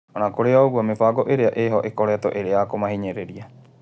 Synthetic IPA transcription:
ɔnakoɾeaoɡuamefaɡɔʔeɾeaʔeɦɔʔekɔɾɛtɔʔeɾeakomaɦiɲeɾeɾia

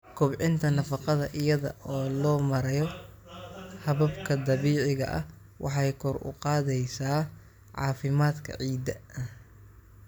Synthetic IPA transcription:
kʰʊbʕɪnt̪ʰɐnɐfɑqɑðɐʔɪjɐðɐ̰ʔɔːlɔːmɐɾɐjɔ | hɐβɐbkʰɐd̪ɐβiːʕɪɣɐ̰ʔɐ̰h | wʔɑ̰ħɑjkʰɔrʊ̰qɑːðɛjsaː | ʕɑ̰ːfɪmaːd̪kʰɐ̰ʕiːd̪ɐɐ

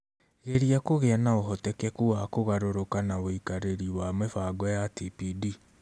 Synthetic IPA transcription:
eɾiakoɣɛnaoɦɔtɛkɛkuwakoɣaɾoɾokanaoikaɾeɾiwamɛfaɡɔjatipidi

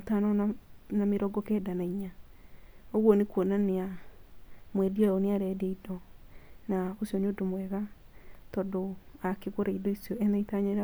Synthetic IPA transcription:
tanɔnameɾɔɡɔkɛdanaiɲa | oɣwɔnekwɔnanea | mwɛdiɔɔneaɾɛdeidɔnaosiɔneodomwɛɣa | tɔdoakeɣoɾaidɔisjɔɛnaitaɲeɾa

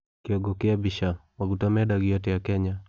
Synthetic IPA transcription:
kiɔɡɔkiabiʃawakutamɛɗaɡiatɛjakɛɲa

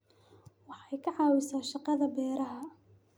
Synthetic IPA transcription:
waħajkaʕaːwɪsaʃɑqɑðabɛːɾaɦa

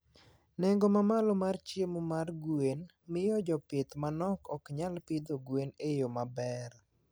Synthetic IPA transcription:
nɛŋɡomamalɔmart͡ʃjemomarɡwen | mɪjɔd͡ʒɔpɪt̪manɔkɔkɲalpid̪oɡwenejomabɛr

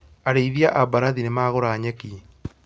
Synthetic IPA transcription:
aɾeiðiaʔabaɾaðinemaːɣoɾaːɲɛki

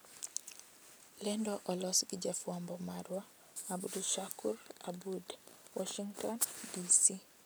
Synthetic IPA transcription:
lɛndɔʔɔlɔsɡid͡ʒafuambɔmaɾwa | abuduʃakuɾa̰budwɔʃiŋtɔndisi

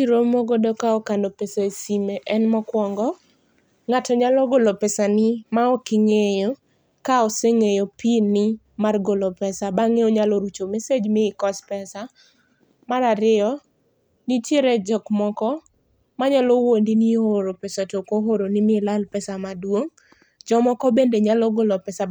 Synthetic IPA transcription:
iɾomoɡodɔkaɔkandopɛsaesimeʔɛnmɔkwɔŋɡɔ | ŋatɔɲalɔɡolopɛsanɪmaɔkɪŋejo | kaɔseŋejopinːɪ | marɡolopɛsabaŋeoɲaloɾut͡ʃomesed͡ʒmɪɪkɔspɛsa | maɾaɾɪɔ | nitjeɾed͡ʒɔkmɔkɔ | maɲalowondinioɾopɛsatokoɦoɾonɪmɪlalpɛsamadwoŋ | d͡ʒɔmɔkɔbendeɲalɔɡolɔpɛsa

